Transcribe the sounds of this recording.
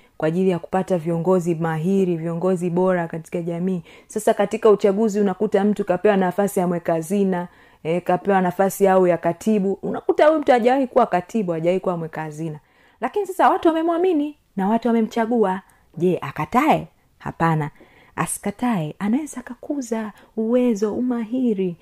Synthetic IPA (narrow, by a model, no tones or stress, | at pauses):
kwaʄilijaku̥pataviɔŋɡɔzimaɦiɾiviɔŋɡɔziɓɔɾakati̥kaʄamiːsasakatikaut͡ʃaɠuziunakutam̩tukapɛwanafasijamwɛkazina | ɛkapɛwanafasijaujakatʰiɓuunakutaujum̩tuaʄawahikuwakatʰiɓuaʄawahikuwamwɛkazina | lakinisasawatuwamɛmwamini | nawatuwamɛm̩t͡ʃaɠua | ʄɛʔakataɛ | ha̰pana | a̰si̥kataɛanawɛzaːkakuza | uwɛzɔumaɦiɾi